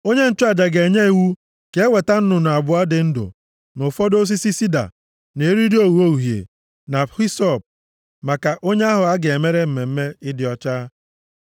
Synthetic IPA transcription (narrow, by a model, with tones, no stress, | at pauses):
o˦ɲe˦n̩˦tʊ˦a˨d͡ʒa˨ɡe˨ɲe˦i˨wu˦ | ke˨˦e˦we˨ta˦n̩˦nʊ˨nʊ˨a˨bʊ˨a˦dɪ˨n̩˦dʊ̰˨ | nʊ˨fɔ˦do˦s̬i˦si˦si˦da̰˨ | ne˨e˦ɾi˦di˦o˦wu˨˦o˦u˨ɦjḛ˨ | na˨xi˦sɔ˦˨p̚ | ma˨ka˨ʔo˦ɲe˦a˦ɦʊ˨a˦ɡe˨me˦ɾe˦m̩˨me˨m̩˦me˦ɪ˦dɪ˨ɔ˦t͡ʃaː˦